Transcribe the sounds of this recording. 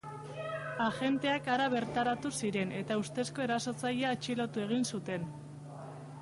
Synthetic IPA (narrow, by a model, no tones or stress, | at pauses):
aʝe̞nt̪e̞akaɾaβ̞e̞ɾt̪aɾat̪usiɾe̞nʔe̞t̪aust̪e̞sko̞e̞ɾaso̞t͡saʎeaːt͡ʃilo̞t̪ue̞ɣ̞insut̪e̞n